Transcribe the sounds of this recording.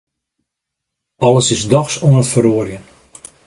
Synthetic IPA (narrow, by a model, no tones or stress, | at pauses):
ɑləsɪsdɔxsuənətfəɾoərjən